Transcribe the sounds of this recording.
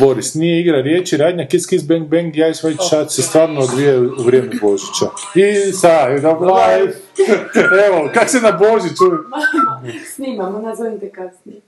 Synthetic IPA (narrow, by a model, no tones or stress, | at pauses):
bo̞ɾisnijeiɡɾaɾjeːt͡ʃiɾaːd̪ɲakiskizbeŋ̚beŋɡjajisʋajt͡ʃsat͡ʃsest̪ʋaːɾnood̪ʋijauʋɾʲjeːmɛbo̞ʒit͡ʃa | isad̪abla | eʋokaksenaboʒit͡ʃu | snimamonazant̪ekazni